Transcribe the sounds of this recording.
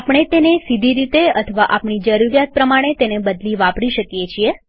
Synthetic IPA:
apəɽ̃et̪enesid̪ʱiɾit̪eət̪ʰəʋaʔapɳid͡ʒəɾuɾjat̪̚pɾəmaɽ̃et̪enebəd̪liʋapɾiʃəkjet͡ʃʰie

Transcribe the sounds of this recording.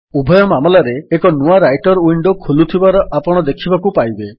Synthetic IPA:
ubʱɔjɔmamɔlaɾeːkɔnuaɾajʈɔɾuiɳɖokʰolut̪ʰibaɾɔʔapɔɽ̃ɔd̪ekʰibakupajbe

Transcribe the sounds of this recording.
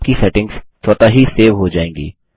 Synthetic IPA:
kisɛʈɪ̃ŋɡz̥t͡ʃɔːt̪aɦiseːʋɦod͡ʒaːẽːŋɡḭː

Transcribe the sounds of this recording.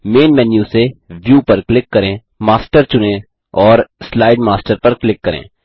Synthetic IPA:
meːnmɛːnjuseʋjuːpɐɾklɪkːɐɾẽː | maːsʈəɾt͡ʃʊnẽ | ɔːɾslaːɪɖmaːsʈəɾpɐɾklɪkːɐɾḛ̃ː

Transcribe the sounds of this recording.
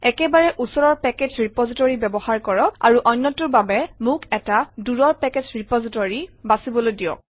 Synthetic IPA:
ɛkɛbaɹɛʔusɔɹɔɹpɛket͡ʃɹipɔzitɔɹibɛbɔhaɹkɔɹɔa̰ɹuʔɔnːɔtuɹbabɛmʊkɛtaduɹɔɹpɛked͡ʒɹipɔzitɔɹibasibɔlojdijɔ̰k

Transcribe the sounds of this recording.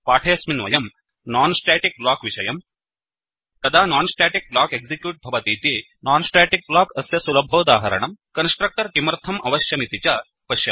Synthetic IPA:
paːʈʰɐjɐsminʋɐ̰jɐm | naːnsʈeːʈik̚blaːkʋiʃɐjɐm | t̪ɐd̪ʱaːnaːnsʈeːʈik̚blaːkeɡzikjuːʈ̚bʱɐʋɐt̪iːt̪eː | naːnsʈeːʈik̚blaːkɐsjɐsulɐbʱoːd̪aːɦɐɾɐ̰ɳɐmkɐnsʈɾɐk̚ʈɐɾkimɐɾt̪ʰɐmʔɐʋɐʃjɐmit̪it͡ʃɐ | pɐʃjɐ

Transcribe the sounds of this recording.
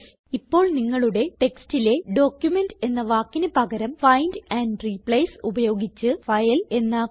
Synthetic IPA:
ipːo̞ːɭniŋːɐɭuɽe̞ʈe̞kstile̞ɖo̞ːkjume̞nde̞nːɐʋaːkːinɨpɐɣɐɾɐmfɐjndɐːnɖripɭejsubɐjo̞ːɡit͡ɕːɨfɐjɐle̞nːa

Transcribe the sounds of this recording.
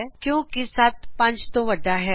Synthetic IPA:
kjõːkisaːt̪̚pɐ̃nt͡ʃt̪oʋɐɖaɦɛː

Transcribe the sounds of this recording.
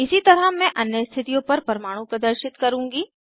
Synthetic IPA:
ɪsit̪ɐɾəmɛ̃ʔɐnjəst̪ʰɪt̪ijõpɐɾpɐɾmaːɽ̃ũpɾɐd̪əɾʃɪt̪kɐɾũːŋɡiː

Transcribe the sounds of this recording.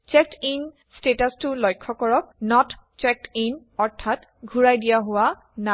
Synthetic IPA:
t͡ʃɛk̚tin | stetastʊlɔjkʰːɔkɔɹɔk̚nɔt | t͡ʃɛk̚tin | ɔɹtʰat | ɡʱuɹajdijaɦʊwa | na

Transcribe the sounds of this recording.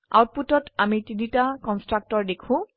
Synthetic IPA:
a̰wt̚putɔtamitinitakɔnstɹak̚tɔɹdekʰʊ̃

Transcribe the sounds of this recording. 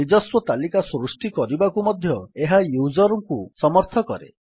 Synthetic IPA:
id͡ʒɔswɔt̪alikasɾusʈikɔɾibakumɔd̪ʱjɔeɦajud͡ʒɔɾɔŋkusɔmɔɾt̪ʰɔkɔ̰ɾḛ

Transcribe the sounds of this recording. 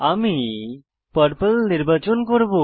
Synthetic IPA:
ami | pəɾpelniɾbat͡ɕonkoɾbo

